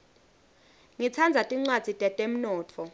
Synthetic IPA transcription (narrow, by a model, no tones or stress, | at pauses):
ŋit͡sʰand͡zʱatʼiŋ͡ǀwad̥z̥ʱitʼɛtʼem̩nɔːtʰɔ